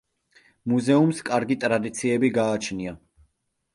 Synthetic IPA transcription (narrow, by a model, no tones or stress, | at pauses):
muzɛumskʼaɾɡit̪ʼɾad̪it̪sʰiɛbiɡaːt͡ʃʰnia